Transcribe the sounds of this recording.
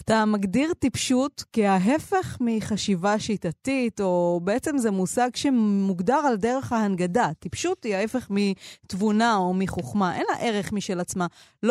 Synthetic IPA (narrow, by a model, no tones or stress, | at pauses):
at̪amaɡdiʁtipʃutkiaɦe̞fe̞χmiχaʃivaʃitatito̞be̞et͡se̞mzemusaɡʃe̞muɡdaʁalde̞ʁe̞χhaɦanɡadat̪ipʃutiae̞fe̞χmit̪vunao̞miχoχmaʔe̞na̰ʔe̞ʁeχmiʃelat͡sma | l